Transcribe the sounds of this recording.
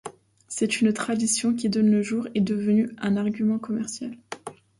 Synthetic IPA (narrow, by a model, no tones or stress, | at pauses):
sɛt̪ynt̪χad̪isjɔ̃kʲid̪ɔnləʒuːʁɛd̪əvənyɛ̃naʁɡʲymɑ̃kɔmɛʁsjal